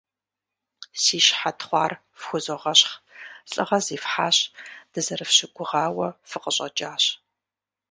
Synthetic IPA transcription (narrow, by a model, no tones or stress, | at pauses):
siːʃħatʰχʷɑːr | fxʷʊzoʁɐɕχɬʼɨ̰ʁɐziːfħaːɕd̥ɨzɐrɨfɕɪɡʷʊʁɑːwɐfɨqəɕʼɐ̰d͡ʒʼaːɕ